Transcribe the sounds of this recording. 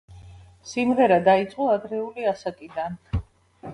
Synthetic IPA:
simʁɛɾad̪ait̪sʼqʼɔad̪ɾɛuliasakʼid̪an

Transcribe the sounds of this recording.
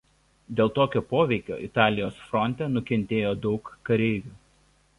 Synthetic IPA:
d̪ʲeːlˠt̪oːkʲoːpoːʋʲɛɪkʲo̰ːʔɪt̪ɑːlʲɪjoːsfɾɔnʲt̪ʲɛnʊkʲɛnʲt̪ʲeːjoːd̪ɒʊkːɐɾʲɛɪʋʲuː

